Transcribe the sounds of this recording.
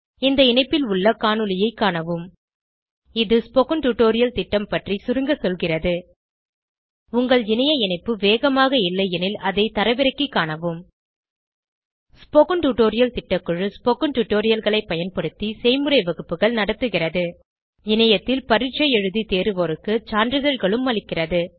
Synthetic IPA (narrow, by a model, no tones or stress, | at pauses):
ɪnd̪ɐɪnɐɪpːɪlʊɭːɐkaːnɯlɪjɐɪkːaːɳɐʋɯm | ɪðɯspɔkɯɳʈuʈoːɾɪjɐlt̪ɪʈːɐmpɐʈrisʊɾɯŋɡɐsɔlɣɪrɐðɯ | ʊŋɡɐɭɪnɐjɐɪnɐɪpːɯʋeːɣɐmaːɣɐɪlːɐɪɛnɪlɐðɐɪt̪ɐɾɐʋɪɾɐkːikːaːɳɐʋɯm | spɔkɯɳʈuʈoːɾɪjɐlt̪ɪʈːɐkːɯɻɯspɔkɯɳʈuʈːoːɾɪjɐlɣɐɭɐɪpːɐjɐnpɐɽɯt̪ːisɛɪmɯɾɐɪʋɐɣɯpːɯɣɐɭnɐɽɐt̪ːɯɣɪrɐðɯ | ɪnɐjɐt̪ːɪlpɐɾɪʈt͡ʃːɐjɛɻɯðit̪eːɾɯʋoːɾɯkːɯt͡ʃaːnɖɾɯðɐɻɣɐɭɯmːɐɭɪkːɪrɐðɯ